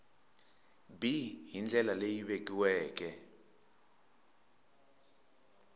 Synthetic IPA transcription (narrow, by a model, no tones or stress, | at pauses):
biɦind͡ɮʱɛlalejiɓekʼiwɛːk̬ʼɛ